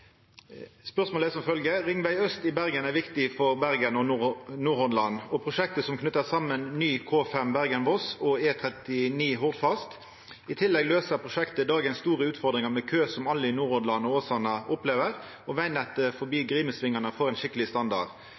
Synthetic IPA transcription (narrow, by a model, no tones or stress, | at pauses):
spœʁsmoːlɛsɔmfœlɡəʁɪŋʋæɪœst̪ɪbæʁɡənæʁʋɪkt̪ɪfɔʁbæʁɡənɔnuːɾhɔnlɑnːɔpʰɾʊʃɛk̚t̪əsɔmkʰnʉt̪ːəsɑmːənnyːkʰoːfɛmbæʁɡənʋɔsɔeːt̪ʰʁɛt̪ɪniːɦɔʁd̪fɑst̪ | ɪt̪ʰɪlːɛɡløːsəpʰʁʊʂɛkt̪əd̪ɑːɡənst̪uːʁəʉːt̪fɔʁd̪ɾʁɪŋɑmɛkʰøːsɔmɑlːəɪnuːɾhɔnlɑnɔoːsɑnɑʔʊpleːʋəʁ | ɔʋæɪnɛt̪ːəfɔbiːɡʁiːməsʋɪŋːɑnəfɔʁɛɪnʃɪkəlɪst̪ɑnd̪ɑ̰d̪